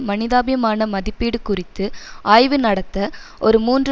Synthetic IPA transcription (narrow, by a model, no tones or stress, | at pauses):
mɐnɪðaːbɐjɐmaːnɐmɐðɪpːiːɽɯkʊrɪt̪ːɯaːjʋɯnɐɽɐt̪ːɐ | ʔɔɾɯmuːndr